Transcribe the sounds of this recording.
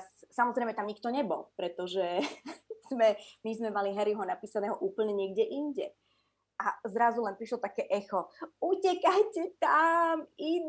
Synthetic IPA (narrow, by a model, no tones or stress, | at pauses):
ssamɔzɾɛɪmɛt̪amɲik̚t̪ɔɲɛbɔ̰lpɾɛt̪ɔʒɛ | z̥mɛmizmɛmaliɦɛɾiɦɔnapiːsanɛːɦɔʔuːpl̩ɲɛɲɪɛɡɟɛʔinɟɛ | ʔazɾazulɛnpɾiʃlɔt̪akɛːʔɛxɔucɛkajcɛt̪amin